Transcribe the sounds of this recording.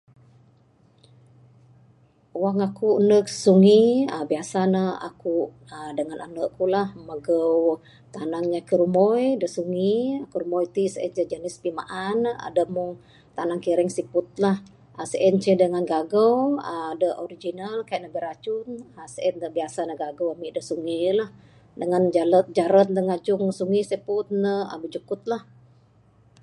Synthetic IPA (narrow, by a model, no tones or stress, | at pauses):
waŋakuʔənəksuŋiəbiasanəa̰kuʔ | ədəŋanʔanəʔkulahməɡəw | t̪anaŋɲakəɾumɔjdəʔsuŋiakuɾumɔjt̪isəɛ̰nt͡ʃəd͡ʒənɪspima̰ʔana̰dəmuŋ | t̪anaŋkiɾɛŋsipʊt̪̚lah | asəʔɛnt͡ʃədəŋanɡaɡəwaadəʔoɾid͡ʒinalkajʔnəbiɾat͡ʃʊnasəʔɛndəbiasanəɡaɡəwamiʔdəsuŋilah | dəŋand͡ʒalət̪̚d͡ʒaɾət̪̚d̪əŋad͡ʒʊŋsuŋisipʊt̪̚nəa̰bəd͡ʒukʊt̪̚lah